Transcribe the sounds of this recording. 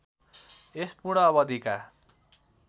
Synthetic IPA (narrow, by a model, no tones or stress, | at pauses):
espuɽ̃ʌːβʌd̪ʱika